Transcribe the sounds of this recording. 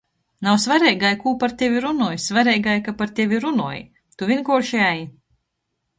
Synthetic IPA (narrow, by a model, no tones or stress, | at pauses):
nawsvaɾɛjɡajkuːpaɾt̪ʲevʲiɾunuɔːjsvaɾɛːjɡajkapaɾt̪ʲevʲiɾunuɔj̰ | t̪uvʲiɛnkɔʃiaji